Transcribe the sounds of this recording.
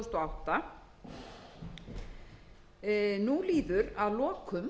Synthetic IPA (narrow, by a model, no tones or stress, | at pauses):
st̪ɔawht̪a | nuliːðʏɾaðlɔːkʏm